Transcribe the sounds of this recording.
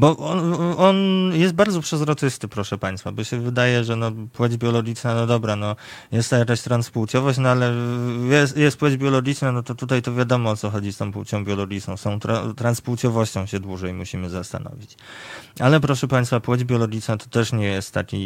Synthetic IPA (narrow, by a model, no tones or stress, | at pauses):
bɔʔɔʔɔnjɛst̪̚baɾd̪zɔpʂɛzɾɔt͡ʂɘst̪ɘpɾɔʂɛpaj̃st̪fabɔɕɛvɘd̪ajɛʐɛnɔpwɛd͡ʑbʲjɔlɔɡʲit͡ʂnanɔd̪ɔbɾanɔ | jɛst̪ːajakaɕt̪ɾanspuwt̪ʲjɔvɔɕt͡ɕnɔalɛjɛsjɛst̪̚pwɛd͡ʑbʲjɔlɔɡʲit͡ʂnanɔt̪ɔt̪ut̪̬ajt̪ɔvʲjad̪ɔmɔɔt̪sɔxɔd͡ʑist̪ɔ̃w̃puṵt͡ɕɔ̃w̃bʲjɔlɔɡʲit͡ʂnɔ̃w̃sɔ̃w̃t̪ɾa̰t̪ɾanspuwt̪jɔvɔɕt͡ɕɔ̃w̃ɕɛd̪wuʐɛjmuɕimɘzast̪a̰nɔ̰vʲit͡ɕ | ʔalɛpɾɔʂɛpaɲ̃j̃st̪fapwɛd͡ʑbʲjɔlɔɡʲit͡ʂnat̪ɔ̥t̪ɛʂɲɛjɛst̪ːakʲi